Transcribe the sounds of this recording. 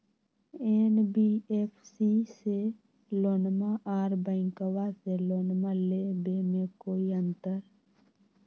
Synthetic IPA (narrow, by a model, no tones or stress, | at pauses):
eːnbiːeːpʰsiːseː | loːnmaːʔaːɾbəɪŋkəʋaːseːloːnmaːleːbeːmẽːkoːiːənt̪əɾ